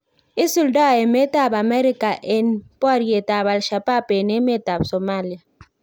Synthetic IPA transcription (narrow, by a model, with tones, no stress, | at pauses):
i˦su˨lda˦˨ɛ˨mɛ˦tʼa˦˨ba˨mɛ˦ɾi˦kʼa˨ʔɛ˨npʼɔ˦ɾi˨ɛ˨tʼa˨βa˨lʃa˨pʼa˦pʼɛ˨nɛ˦mɛ˦ta˨bsɔ˨ma˦li˦a˨